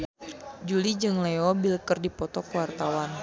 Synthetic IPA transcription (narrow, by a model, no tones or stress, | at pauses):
d͡ʒulid͡ʒɨŋleɔbiləkərdipɔt̪ɔkəwart̪awan